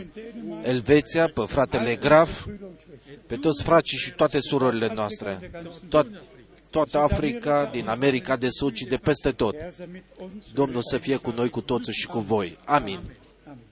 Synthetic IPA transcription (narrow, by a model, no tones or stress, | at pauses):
e̞lve̞t̪siapefɾat̪e̞le̞ɡɾaf | pe̞t̪o̞t̪sʲfɾat͡ʃiʃit̪oat̪e̞suɾoɾile̞noast̪ɾe̞ | t̪ːoat̪əafɾikad̪iname̞ɾikad̪e̞sud̪ʃid̪e̞pe̞st̪e̞t̪o̞t̪ | d̪o̞mnulsəfije̞kuno̞jkut̪o̞t̪siʃi̥kuvo̞jamin